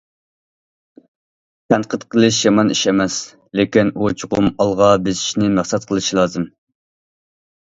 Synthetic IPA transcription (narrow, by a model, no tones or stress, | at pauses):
t̪ʰɛnt̪qʰət̪qʰəlˠɨʃjɑmɑniʃɛmɛs | lekʲinʔut͡ʃʰuʁʊmɑlˠʁɑbɪzi̥ʃnɪmæχsɛt̪̚qʰəlˠɨʃilˠɑːzɨm